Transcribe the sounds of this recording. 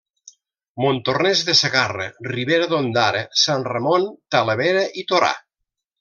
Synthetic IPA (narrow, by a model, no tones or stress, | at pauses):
mont̪ornɛzðeseɣarə̰riβeɾəðond̪aɾesanremont̪aləβeɾəʔit̪oɾa̰